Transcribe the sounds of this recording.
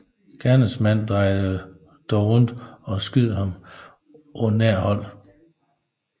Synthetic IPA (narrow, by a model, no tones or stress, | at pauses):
ɡ̥ʰæɐnəsmæn̰d̥ʁɑ̈ɪ̰ð̩ˠə | d̥ɒʊʁɔn̰d̥ɒ̽sɡ̥ið̰ˠhɑ̈m | ʔɔnːæɐ̰hɒ̽l̰